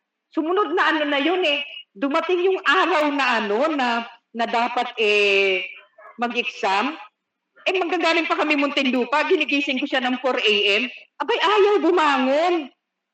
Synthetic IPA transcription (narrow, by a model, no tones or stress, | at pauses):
sʊmʊno̞d̪̚nɐʔɐno̞nɐjo̞nɛd̪ʊmɐt̪ɪŋjʊŋʔaːɾɐwnɐʔɐno̞nɐnɐd̪aːpɐt̪̚ʔɛ | mɐɡʔɪksam | ʔɛmɐɡːaɡaːmɪŋpɐkɐmɪmʊnt̪ɪnd̪uːpɐɡɪnɪɡiːsɪŋkʊʃanɐŋfoɾʔɛjʔɛmʔɐbajʔaːjɐwbʊmaːŋon